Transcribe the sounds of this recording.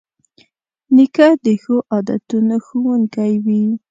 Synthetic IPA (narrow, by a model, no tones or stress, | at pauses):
nɪkad̪əxoʔɑd̪a̰t̪unoxuwuŋkajwi